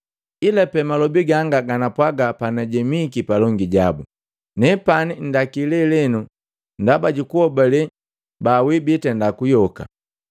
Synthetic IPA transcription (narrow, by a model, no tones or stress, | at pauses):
ilapɛmalɔbiɡaŋɡaɡanapwaɡapanɛɟɛmikipalɔŋɡiɟabu | nɛpanin̩dakilɛlɛnu | ndabaɟukuhɔbalɛ | baːwibitɛndakujɔka̰